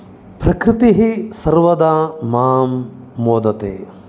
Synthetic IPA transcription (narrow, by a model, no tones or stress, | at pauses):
pɾɐkɾɪt̪iɦisɐɾʋɐd̪aːmaːmː | oːd̪ɐt̪ḛː